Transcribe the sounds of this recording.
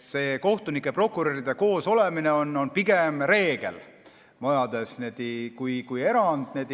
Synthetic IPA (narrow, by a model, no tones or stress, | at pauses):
se̞ːko̞ht̪unikːˑe̞pro̞kːˑuɾoɾid̪̥e̞ko̞ːso̞le̞mine̞o̞nːo̞npiɡ̥e̞mɾe̞ːɡ̥e̞̰l | mojɑd̪̥e̞sned̪ikujkuje̞ɾɑnd̪̥neːd̪